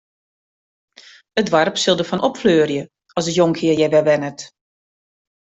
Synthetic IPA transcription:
ədʋarpsɪlˠdəfɔnʔɔpfløːrjə | ɔlsətjoŋkʰɪəjɛʋɛʋɛnət

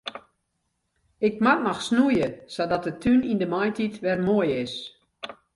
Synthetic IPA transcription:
ɪk̚matnɔxsnujəsɔdɔt̚dətʰynindəmɔjtʰitʋɛrmoəjɪs

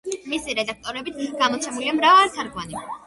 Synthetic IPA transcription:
misiɾɛd̪ak̚ʰt̪ʼɔɾɛbit̪ʰɡ̥amɔt̪sʰɛmuliamɾavaɾit̪ʰaɾɡvani

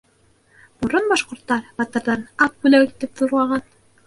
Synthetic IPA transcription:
bŏɾonbɑʃqŏɾt̪ːɑɾbɑt̪ɤ̆ɾðɑnɑp̚bʉlæwit̪ːɘpθuɾlˠɑʁɑn

